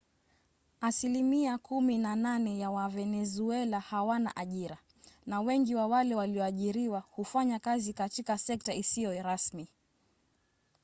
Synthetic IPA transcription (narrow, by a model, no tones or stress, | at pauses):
asilimiakʰuminananɛjawavɛnɛzuɛlahawana̰ʔaʄiɾa | nawɛŋɡiwawalɛwaliɔaʄiɾiwahufaɲakazikatikasɛk̚taisijɔɾasmi